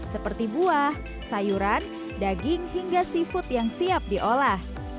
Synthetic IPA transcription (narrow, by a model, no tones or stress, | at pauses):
səpərt̪ibuah | sajuɾan | daɡɪŋɦiŋɡasifʊt̪̚jaŋsiap̚diʔolah